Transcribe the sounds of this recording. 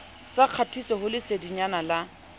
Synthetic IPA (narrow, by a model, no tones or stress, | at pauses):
saq͡χʰatʰisɔhʊlɪsediɲanala